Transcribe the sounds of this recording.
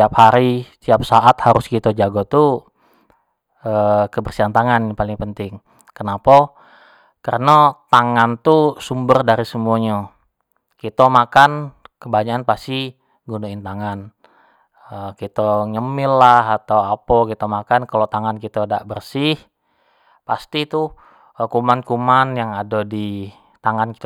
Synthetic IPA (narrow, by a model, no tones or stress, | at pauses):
aphaɾit̪iap̚saʔat̪haɾʊskit̪əd͡ʒaɡɔt̪u | əkəbərsiɦant̪aŋanpalɪŋpənt̪ɪŋ | kənapa | kəɾənat̪aŋant̪usumbərdaɾisəmuaɲa | kit̪əmakankəbaɲaanpasi | ɡunuɪnt̪aŋan | əkit̪aɲəmɪlːaɦat̪awapɔkit̪amakankalot̪aŋankit̪adaʔbərsɪh | past̪it̪u | kumankumanjaŋadadi | t̪aŋankit̪